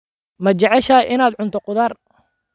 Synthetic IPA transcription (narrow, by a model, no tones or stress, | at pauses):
mɐt͡ʃɛʕɛʃaːʔɪnaːd̪ʕʊnt̪ʰɔqʊðaːr